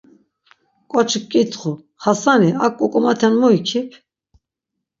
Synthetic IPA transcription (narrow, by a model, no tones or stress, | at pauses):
kʼɔt͡ʃʰkʼːit̪ʰʼχu | χasaniakʼːukʼɔmat̪ʰɛnmuikʰipʰ